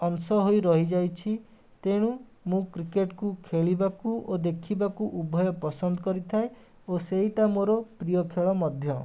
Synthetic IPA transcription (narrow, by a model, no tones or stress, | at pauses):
ɔnsɔɦojɾɔɦid͡ʒajt͡ʃʰi | t̪eɽ̃u | mũkɾikeʈkukʰeɭibakuod̪ekʰibakuʔubʱɔjɔpɔsɔnd̪ɔkɔɾit̪ʰae | oseɦiʈamoɾɔpɾijɔkʰeɭɔmɔd̪ʱjɔ